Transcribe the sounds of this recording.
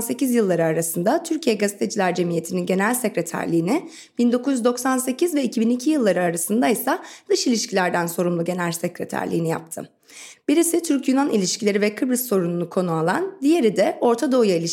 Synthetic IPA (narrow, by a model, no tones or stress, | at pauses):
nse̞cizjɯlˠːaɾɯaɾasɯnd̪at̪ʰyɾcʰijɛɡazet̪ʰe̞d͡ʒilʲæɾd͡ʒe̞mije̞t̪ʰininɟeneælʲsecɾe̞t̪ʰæ̰ɾlʲiːnɪ | b̥ind̪o̞kʰuzj̪yzd̪o̞ksanse̞cʰizvɛicʰibinicʰijɯlˠːaɾɯaɾasɯnd̪aisad̪̥ɯʃilʲiʃcʰilʲæɾd̪ænso̞ɾumlˠuɟe̞nælʲsɛcɾet̪ʰæ̰ɾlʲḭːnija̰p̚t̪ʰɯ̰ | b̥iɾisit̪ʰyɾcjunanʔilʲiʃcʰilʲeɾivɛkʰɯbɾisːo̞ɾununukʰo̞nualˠa̰nd̪ije̞ɾid̪ɛo̞ɾt̪ʰad̪o̞jailʲiʃ